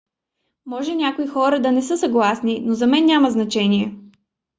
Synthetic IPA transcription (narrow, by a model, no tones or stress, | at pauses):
mɔʒɛnʲakoixɔɾəd̪ɐnɛsɤsɐɡlˠasninozɐmɛnːʲaməznɐt͡ʃɛniɛ